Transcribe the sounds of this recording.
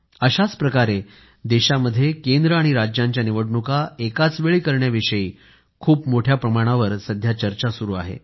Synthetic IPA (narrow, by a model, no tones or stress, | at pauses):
əɕat͡spɾəkaɾe | d̪eɕaməd̪ʱːjekend̪ɾəaɽ̃iɾad͡ʑjãɲt͡ɕjaniʋəɽɳukaekat͡sʋeɭiːkəɾɳjaʋiʂəjiː | kʰuːpmoʈʰjapɾəmaɽ̃aʋəɾsəd̪ʱjat͡ɕəɾt͡ɕasuɾuːa̰ɦḛ